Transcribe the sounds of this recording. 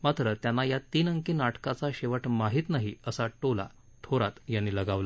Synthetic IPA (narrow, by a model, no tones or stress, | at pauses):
mat̪ɾət̪janːajat̪iːnəŋkiːnaʈkat͡saɕeʋəʈmaɦiːt̪naɦiəsaʈola̰ | t̪ʰoɾat̪janːiːləɡaʋla